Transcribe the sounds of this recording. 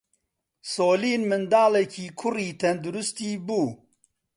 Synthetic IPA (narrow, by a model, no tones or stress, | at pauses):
soːliːnmɨnd̪aːlɛkʰiːkʰʊriːt̪ʰɛnd̪ʊɾʊst̪iːbuː